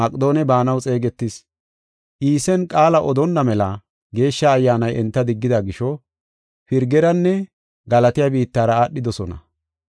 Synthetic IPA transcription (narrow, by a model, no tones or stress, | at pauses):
mɐkʼd̪o̞ːnɛbaːnɐwt͡sʼe̞ːɡɛt̪ːɪs | ʔiːsɛnkʼaːlɐʔɔd̪ɔnːɐmɛlɐ | ɡe̞ːʃːɐːjːaːnɐjʔɛnt̪ːɐd̪ɪɡːɪd̪ɐɡɪʃɔ | fɪɾɡɛɾɐnːɛ | ɡɐlɐt̪ɪjabiːt̪ːaːɾɐaːɗːɪd̪ɔsɔnɐ̰